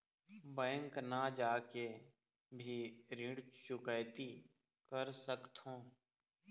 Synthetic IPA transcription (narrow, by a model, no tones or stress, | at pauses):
bɛ̃ːŋknad͡ʒaːke | bʱiɾĩɽt͡ʃʊkəjt̪i | kəɾsəkt̪õː